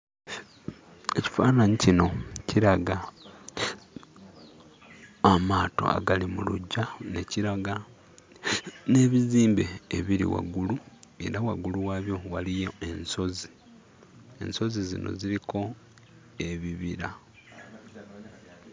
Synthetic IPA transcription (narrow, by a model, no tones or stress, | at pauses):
e̞ci̥faːnaɲicino̞ciɾaɡa | amaːto̞̰a̰ɡalimuluɟːane̞ciɾaɡa | ne̞ːβiziːmbe̞̰ːβiɾḭwa̰ɡulue̞̰ɾawaɡuluwaβjo̞walijoe̞nso̞zi̥ | e̞̰nso̞zizḭno̞̰ziɾikʰo̞ | e̞βiβiɾa